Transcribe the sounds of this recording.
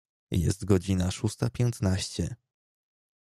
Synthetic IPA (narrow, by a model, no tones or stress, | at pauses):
jɛ̰st̪ɡɔd͡ʑinaʂust̪apʲjɛnt̪naɕt͡ɕɛ